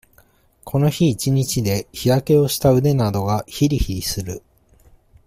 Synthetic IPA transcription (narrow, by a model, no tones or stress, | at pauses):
kʰo̞no̞çiːt͡ɕiɲ̟it͡ɕid̪e̞çiɾake̞o̞ɕi̥t̪aɯ̟d̪e̞nad̪o̞ɡaçiɾʲiçiɾʲisɨɾɯ̟